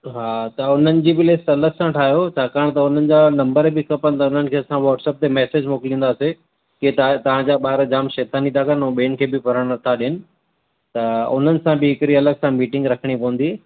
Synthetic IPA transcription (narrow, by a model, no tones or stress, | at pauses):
ɦaːt̪ɐʊn̤ənɪ̆d͡ʑiːbɪlesʈɐləksãʈʰaːɦjot͡ɕʰaːkaːɽ̃t̪ɐʊn̤ənɪ̆d͡ʑaːnɐ̃mbəɾbɪkɐpəñ̆t̪ɐʊn̤ənɪ̆kʰeːɐsãʋɔːʈsɛːp̚t̪emɛːseːd͡ʑmoːkɪlĩnd̪aːse | ket̪t̪ɐʋ̤ãd͡ʑaːɓaːɾd͡ʑaːmʃeːt̪ʰaːnĩt̪aːkənũɓeːn̆kʰeːbɪpɐɾəɽ̃t̪ʰaɗijənɪ̆ | t̪ɐʊ̰n̤ənɪ̆sãbɪɪkɾiɐləɡsãmiːʈɪ̃ŋɡɾɐkʰəɽ̃ipɐʋə̃n̆d̪i